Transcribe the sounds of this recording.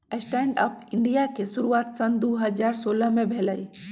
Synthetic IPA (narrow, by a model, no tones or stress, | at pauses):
əsʈɛːɳɖə̰pʰɪɳɖijakesuɾuaːt̪sənd̪uɦəzaːɾsoːləmẽbʱeləi